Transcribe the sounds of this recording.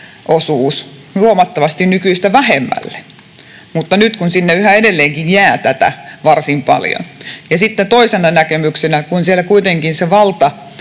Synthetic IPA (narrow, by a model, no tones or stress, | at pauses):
ʔosuːs | luomɑt̪ːɑʋɑst̪innykyist̪æʋæhemːæ̰lːe̥ | mut̪ːɑnyt̪kunsinːeyhæedelːeːŋkinjæːt̪æt̪æ̰ʋɑrsimpɑ̰ljo̰njɑsit̪ːet̪oisenɑnækemyksenækunsielːˑækuit̪eŋkinseʋɑlt̪ɑ